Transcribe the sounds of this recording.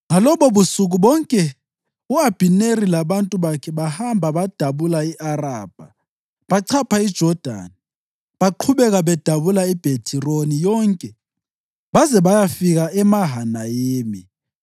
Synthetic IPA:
ŋalɔβɔβusuɣuβɔŋkʼɛ | uab̥ʱinerilaβantʼuβakʰɛβahambʱaβad̥ʱaβulaiʔaraːb̥ʱa | βaǀʰapʰaid̥ʒ̥ʱɔd̥ʱa̰ni | βaǃʰuβɛɣaβɛd̥ʱaβulaib̥ʱetʰironijɔŋkʼɛ | βazɛβajafiɣaʔɛmaɦanajeːmi

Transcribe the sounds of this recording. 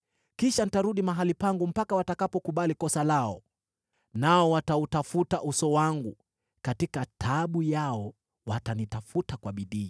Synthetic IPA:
kiʃanitaɾuɗimaɦalipaŋɡum̩pakawatakapɔkuɓalikɔsalaɔ | naɔwatautafutaʔusɔwaŋɡu | katikatʰaɓujaɔ | watanitafutakwaɓiɗiː

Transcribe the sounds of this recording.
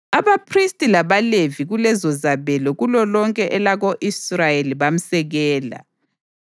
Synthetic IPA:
aβapʰristʼilaβaleviɣulɛzɔzaβɛlɔɣulɔlɔŋkʼɛʔɛlaɣoʔisrajeliβam̩sɛɣɛːla̰

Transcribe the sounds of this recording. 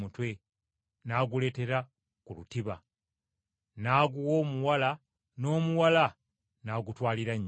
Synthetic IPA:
mutwe̞ | naːɡule̞ːte̞ɾa | kulṵtiβa | naːɡuwo̞ːmuwala | no̞ːmuwala | naːɡutwaːliɾaɲː

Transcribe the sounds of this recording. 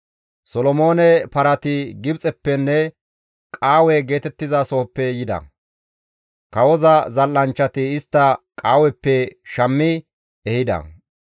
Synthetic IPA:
sɔlɔmo̞ːnɛpɐɾɐt̪ɪɡɪbt͡sʼɛpːɛnːɛ | kʼaːwɛɡe̞ːt̪ɛt̪ːɪzɐso̞ːpːɛjɪd̪ɐ̰ | kɐwɔzɐzɐlːɐnt͡ʃːɐt̪ɪɪst̪ːɐkʼaːwɛpːɛʃɐmːɪ | ɛhɪd̪ɐ̰

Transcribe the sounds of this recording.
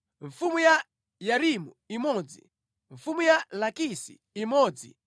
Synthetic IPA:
ɱ̩fumuja | jaɾimu | imɔːd͡zḭ | ɱfumujalakisḭ | imɔːd͡zḭ

